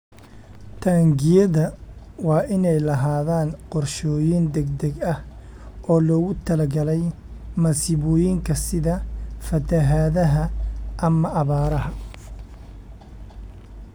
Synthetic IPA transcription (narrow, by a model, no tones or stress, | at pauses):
t̪ʰaːŋɡɪjɐðɐwɑːʔɪnɛjlɐɦaːðaːnqɔrʃɔːjɪnd̪ɛɡd̪ɛɡɐh | ɔːlɔːɣʊt̪ʰɐlɐɡɐlɛj | mɐsɪβɔːjɪŋkʰɐsɪðɐfɐt̪ʰɐɦaːðɐɦɐʔɐmɐʔɐβaːɾɐɦɐ